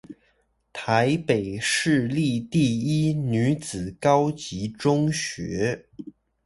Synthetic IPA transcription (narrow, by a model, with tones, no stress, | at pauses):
t̪ʰa˧˥ɪpe˨˩ɪʂɻ̩˥˧li˥˧t̪i˥˩i˥ny˧˥t͡sɹ̩˨˩kɑ˥ʊt͡ɕi˧˥ʈ͡ʂʊ˥ŋɕɥɛ˧˥